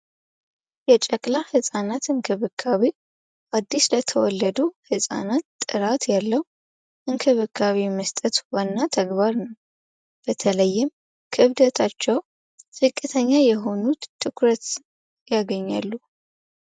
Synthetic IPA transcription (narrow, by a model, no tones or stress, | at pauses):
jɛt͡ʃʼɛkʼlahɨsʼanat̪ɨŋkʰɨβɨkʰːaβi | ʔad̪ːislət̪ʰəwɔlːəd̪uhɨsʼa̰nat̪ʼːɨɾat̪jalːəhu | ʔɨŋkʰɨβɨkʰːaβiməst̪ʼət̪wanːat̪ʰəɡβaɾnəw | b̥ət̪ʰələjːɪm | kʰɨβd̪ət̪ʰat͡ʃːɛw | sɨkʼːɨt̪ʰəɲːajɛɦo̞nut̪ʰːɨkʰɾət̪ | jaɡəɲːalːu